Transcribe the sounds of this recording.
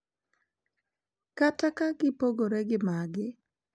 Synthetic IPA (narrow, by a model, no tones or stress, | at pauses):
katakaɡɪpoɡoɾɛɡɪmaɡɪ